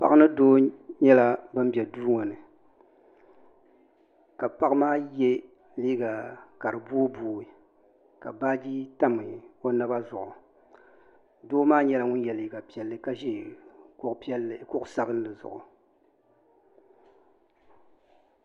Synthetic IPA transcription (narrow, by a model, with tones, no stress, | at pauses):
pa˦ʔnɨ˦doː˦ɲɛ˦la˦bɨ˦m˦bɛ˨duː˦ŋɔ˨nɨ˨ | ka˨pa˦kmaː˦jɛ˦ | liː˦ɡa˨ka˨ɾɨ˨boː˦boː˨i˨ | ka˨baː˦d͡ʒi˦ta˦mɨ˨o˦na˦ba˦zʊ˨ʔʊ˨ | doː˦maː˦ɲɛ˦la˦ŋʊ˦n˦jɛ˨liː˨˦ɡa˨pi˨ɛ˨lːɨ˦ka˦ʒɛ˦kʊ˦ʔpi˦ɛ˦lːɨ˨kʊ˦ʔʊ˨sa˦bɨ˦n˦lɨ˨zʊ̰˨ʔʊ̰˨